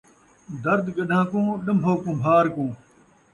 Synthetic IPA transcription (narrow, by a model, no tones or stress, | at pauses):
d̪ɐɾd̪ɡɐɗʱãːkũːɗɐmbʱoːkũːbʱaːɾkũː